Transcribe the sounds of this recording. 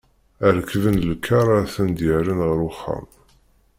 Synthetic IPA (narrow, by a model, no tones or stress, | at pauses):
əɾəkːvənlkʰːɑɾˤaθənd̪jəɾinʁəɾʊχːə̰m